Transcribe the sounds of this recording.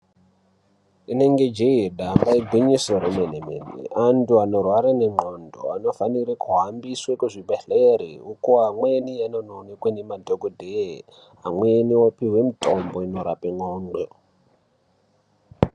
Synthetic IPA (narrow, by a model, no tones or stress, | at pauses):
ine̞ŋɡe̞d͡ʒeiɗambaiɡʱwiɲisoɾemeneme̞̰nḛʔantuano̞rwaɾaneŋ͡ǃondo̰ano̞faniɾekuɦambiswekuʐibʱeɬeɾḭukoɦamwenijanononekwenemadʱoɡʱodʱe | amweniwapiɦwemitʼomboino̞ɾa̰peŋ͡ǃoːŋ͡ǃɡo